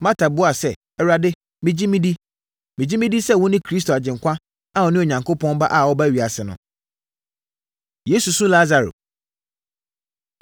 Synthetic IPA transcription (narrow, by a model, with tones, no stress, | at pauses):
mã˦tʰa˨bʊ˨˦a˨sɛ˦˨ | ɛ˨ɾa˨dɪ˦ | mɪ̃˨d͡ʑi˦mĩ˦di˦ | mĩ˨d͡ʑi˦mĩ˦di˦sɛ˦˨wʊ̃˦nɪ̃˦kʰɾi˦s̬tʰo˨a˨d͡ʑɪ̃˨ŋ˨kʷʰã˦ | ã˦˨ɔ˨˦nɪ̃˦o˨ɲã˨ŋkʰo˦pʰɔ̃˦n˦ba˦ʔa˨wɔ˦ba˦ɥi˨a˨sɪ˨nʊ̃˨ | je˦su˨sũ˦la˦za˨ɾo̰˨